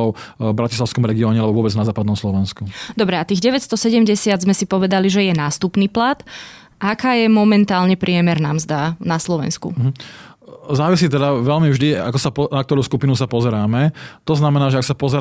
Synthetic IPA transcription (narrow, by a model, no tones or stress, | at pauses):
ɔʊbɾacislaʊskɔmɾɛɡiɔːɲɛalɛbɔʋʊɔbɛd͡znazaːpad̪nɔmslɔʋɛnskud̪ɔbɾɛat̪iːɣɟɛʋɛcst̪ɔsɛɟɛmɟɛsɪad̪zmɛsipɔʋɛd̪aliʒɛjɛnaːst̪upniːplat̪ | akaːjɛmɔmɛnt̪aːlɲɛpɾɪɛmɛɾnamzd̪anaslɔʋɛ̰nskṵɦ̩ | zaːʋisiːt̪ɛd̪aʋɛlmivʒd̪ia̰kɔsapɔnak̚t̪ɔɾuːskupinusapɔzɛɾaːmɛt̪ɔznamɛnaːʒɛaksapɔzɛ